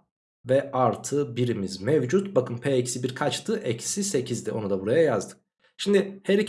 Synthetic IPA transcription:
vɛʔaɾt̪ʰɯbiɾimizmevd͡ʒut̪bakʰɯmpʰeːɛcsibiɾkʰat͡ʃt̪ɯʔɛcsise̞cʰizd̪io̞nud̪abuɾajajazd̪ɯk̚ | ʃimd̪iheɾi

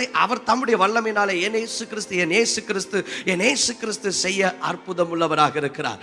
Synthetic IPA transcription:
ɐɪʔɐ̰ʋɐɾt̪ɐmːɯɽɪjɐʋɐɭːɐmɪnːaːlɐɛneːsɯkɪɾɪst̪ɯɛnjeːsɯkɪɾɪst̪ɯɛneːsɯkɪɾɪst̪ɯsɛjːɐʔɐrpʊðɐmɯɭːɐʋɐɾaːɣɐɪɾɯkːɪɾa̰ːɾ

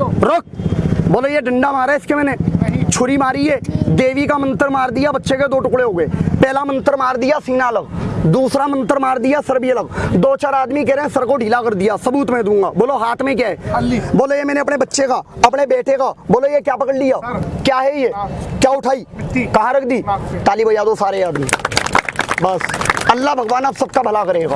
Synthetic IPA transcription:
ɾok̚boːlojeɖʱə̃ɳɖamaːɾaɪskemɛːneːt͡ʃʰoɾimaːɾiɦeːd̪eːʋikamə̃nt̪əɾmaːɾd̪ɪjabətːʃeked̪oːʈʊkɽeɦoːɡəepɛːlamə̃nt̪əɾmaːɾd̪ɪjasiːnaləɡd̪uːsɾamə̃nt̪əɾmaːɾd̪ɪjasəɾbiələɡd̪oːt͡ʃaːɾaːd̪mik̬eɾẽsəɾkoɖʱiːlakəɾd̪ɪjasəbuːt̪mẽd̪ũːŋɡaːboːloɦaːt̪ʰmẽk̬jaːɛːboːlojemɛ̃ːneɐpnebɐtːʃekaɐpɽebeːʈʰekaboːlojekjaːpəkəɽlɪjaːkjaːɦejekjaːʊʈʰaːiːkɐɦãɾɐkʰd̪iːt̪aːlibojad̪oːsaːɾeaːd̪miː | bɐsəlːabʱəɡʋaːnaːbsɐb̚kabʱɐlakəɾeːɡaː

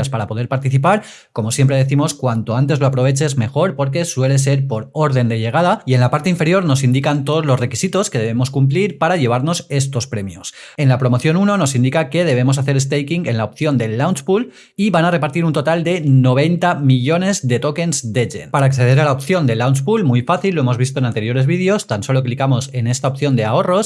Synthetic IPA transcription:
aspaɾapo̞ðeɾpaɾt̪iθipaɾ | ko̞mo̞sje̞mpɾe̞ð̞e̞θimo̞skwant̪o̞ant̪e̞zlo̞apɾo̞βet͡ʃe̞zme̞xo̞ɾpo̞ɾk̬e̞swe̞le̞s̬e̞ɾpo̞ɾo̞ɾð̞e̞nd̪e̞ʎe̞ɣ̞aðaie̞nlapaɾt̪e̞iɱfe̞ɾjo̞ɾno̞s̬ind̪ikant̪o̞ðozlo̞zre̞kisit̪o̞ske̞ðe̞β̞emo̞skumpliɾpaɾaʝe̞β̞aɾno̞se̞st̪o̞spɾe̞mjo̰s | e̞nlapɾo̞mo̞θjo̞nuno̞no̞sind̪ikake̞ð̞e̞β̞e̞mo̞saθe̞ɾe̞s̬t̪ejkiŋɡenlaop̚θjo̞nd̪e̞lːawnspul | iβanare̞paɾt̪iɾunt̪ot̪ald̪e̞no̞β̞e̞nt̪amiʎo̞ne̞zðe̞t̪o̞ke̞nzd̪eʝḛnpaɾaːkθe̞ð̞e̞ɾalaop̚θjo̞nd̪e̞lawnspulmujfaθilːoe̞mo̞zβis̬t̪o̞enant̪e̞ɾjo̞ɾe̞zβið̞jo̞st̪anso̞lo̞klikamo̞se̞ne̞st̪aop̚θjo̞nd̪e̞ao̞ro̞s

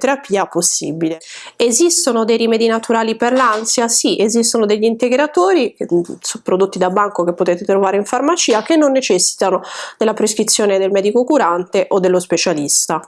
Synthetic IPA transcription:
t̪eɾapiːaposːḭbileezist̪onod̪ejɾimɛːd̪inat̪uɾaːliperlansjasiʔezist̪onod̪eʎːint̪eɡɾat̪oːɾisupːɾod̪ot̪ːid̪abaŋkok̟epːot̪ɛːt̪et̪ɾovaːɾeiɱfarmat͡ʃiːakenːonːet͡ʃɛsːi̥t̪anod̪̥elːapɾeskɾit̪sːjoːned̪elmɛːd̪ikokuɾant̪eʔod̪ːelːospet͡ʃalist̪a

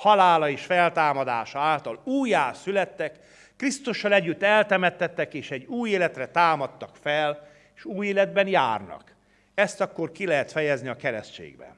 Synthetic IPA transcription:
hɒlaːlɒeːʃfɛlt̪aːmɒd̪a̰ːʃɒaːlt̪ɒluːjaːsylɛt̪ːɛkː | rist̪uʃːɒlɛɟːyt̪ːɛlt̪ɛmɛt̪ːɛt̪ːɛkeːʃɛɟːuːjeːlɛt̪rɛt̪aːmɒt̪ːɒkfɛl | eʃuːjeːlɛd̪̚bɛnja̰ːrnɒ̰k | ɛst̪ɒkːorkilɛɦɛt̪fɛjɛzniɒkɛɾɛst͡ʃḛːɡbɛ̰n

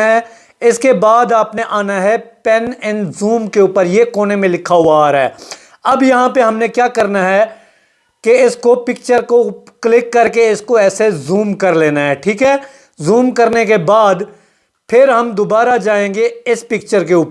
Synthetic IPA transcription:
ɦɛ̃ | ɪskebaːd̪aːpneʔaːnaɦɛpɛnɪ̃nzuːmkeuːpəɾjekoːnemẽlɪkʰːaɦuaɾɦɛː | ɐbjɐɦãpeɦɐmnekjaːkɐɾnaɦɛ | keɪskopɪk̚t͡ʃəɾkoklɪkːɐɾkeɪskoɛːsezuːmkɐɾleːnaɦɛʈʰiːkɦɛː | zuːmkɐɾnekebaːd̪ | pʰɪɾɦɐmd̪ʊbaːɾad͡ʒaːẽːŋɡeɪspɪkt͡ʃəɾkeuːpə

